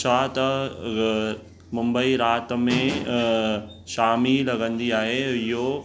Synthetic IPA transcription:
saːt̪ | mʊ̃mbəiɾaːt̪̆mẽ | ʃaːmilɐɡə̃nd̪iaːɦeɪɦo

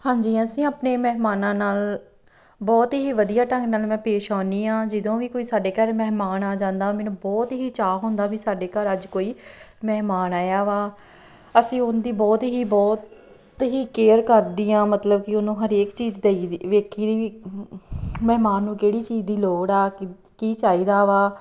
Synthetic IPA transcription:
hãːɲd͡ʒiːəsĩːaːpneːmɛɦmaːnãːnaːl | bɔːt̪ɦiːʋəd̪ijaːʈə̃ŋɡnaːlmɛ̃ːpeːʃaːniːãːd͡ʒɪd̪õːʋiːkoːiːsaːɖeːkəɾmɛːɦmaːnaːd͡ʒãːnd̪aːmɛ̃ːnũːbɔːt̪ɦiːt͡ʃaːɦõːnd̪aːʋiːsaːɖeːkəɾəd͡ʒkoːiː | mɛːɦmaːnaːjaːʋaː | əsĩːʊnd̪iːbɔːt̪ɦiːbɔːt̪ | ɦiːkeːɾkəɾd̪iːãːmət̪ləbkɪʊnũːɦəɾeːkt͡ʃiːd͡ʒd̪eiʋeːkʰiːd̪iːʋiː | mɛːɦmaːnːũːkeːɽiːt͡ʃiːd͡ʒd̪iːloːɽaː | kiːt͡ʃaːiːd̪aːʋaː

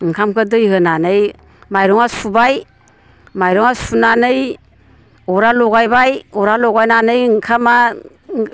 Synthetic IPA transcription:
ŋkʰamkʰɯdɯjhɯnanɯj | majɾɔŋasubaj | majɾoŋaspunanɯj | oɾaloɡajbajɔɾaloɡajnanɯjŋkʰama

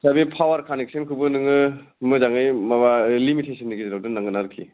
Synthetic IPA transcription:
sabipʰawaɾkʰanek̚sɯnkʰubɯnɯŋɯ | mɯzaŋɯjmabalimitʰesʰinːiɡizɾaw̚dɯnaŋɡɯnaɾɯkʰḭ

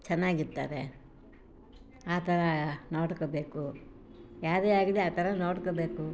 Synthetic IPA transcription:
t͡ʃɛnːaːɡiɾt̪ːa̰ːɾe | aːt̪ʰɐɾɐnoːɽkobeːku | jaːɾeːaːɡiliaːt̪ʰɐɾɐnoːɽkobe̞ːku

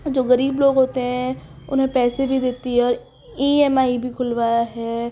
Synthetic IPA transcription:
d͡ʒoːɣəɾiːbloːɡɦoːt̪eɦɛ̃ | ʊ̰nɦẽpɛːsebʱid̪et̪iɦɛɔːɾ | iːɛmaːibʱikʰʊlʋaːjaɦɛː

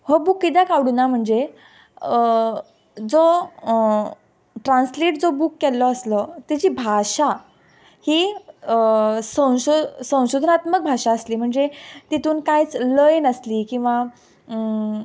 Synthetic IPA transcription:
həbukːid̪akaʋɽunam̤əɳd͡ze | d͡zo | ʈɾãnsliʈ̚d͡zobukːɛlːɔəslɔt̪it͡ɕiːbʱaɕa | hi | sə̃w̃ɕosə̃w̃ɕud̪ʱənat̪mək̚bʱaʂaəsliːm̤əɳd͡zet̪it̪uːnkajt͡sləjnəsliːkĩw̃ʋa

